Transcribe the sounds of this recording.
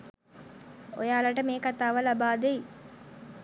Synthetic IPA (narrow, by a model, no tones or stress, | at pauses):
o̰jaːlaʈəmeːkat̪aːʋəlabaːd̪ei